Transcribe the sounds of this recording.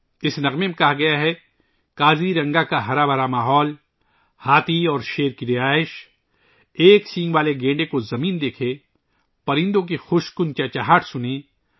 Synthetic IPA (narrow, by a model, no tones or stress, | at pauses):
ɪsnɐɣmemẽkɐɦaɡɐjaɦɛ | kaːziɾɐ̃ŋɡakaɦɐɾabɐɾamaːɦɔːl | haːt̪ʰiɔːɾʃeːɾkiɾɪaːɪʃ | eːksĩːŋɡʋaːleɡẽːɳɖekozɐmiːnd̪eːkʰe | pɐɾɪ̃nd̪õk̬ixʊʃkʊnt͡ʃat͡ʃaɦaːʈʰsʊne